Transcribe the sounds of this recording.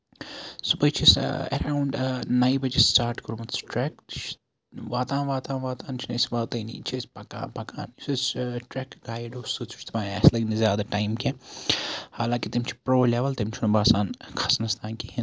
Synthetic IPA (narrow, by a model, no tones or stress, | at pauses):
subɐjt͡ʃʰisḛɾaːwɳɖnɐibɐd͡ʒistaːɾʈkɐɾumɐt̪sʰʈɾɛk̪̚t͡ʃʰ | ʋaːt̪ãːnʋaːt̪ãːnʋaːt̪aːnt͡ʃʰinɐjsʋaːt̪ɐjnḭːt͡ʃʰisʲpɐka̰ːpɐka̰ːnsusʈɾɛkɡaːjɖosut͡sʰu̥t͡ʃt̪ʰɐbaːɛ̰slɐɡnizjaːd̪aːʈaːjmke | haːlãːkit̪imt͡ʃʰi̥pɾoːleːʋɐlt̪imt͡ʃʰunubaːsaːnkʰɐsnɐst̪aːnkihi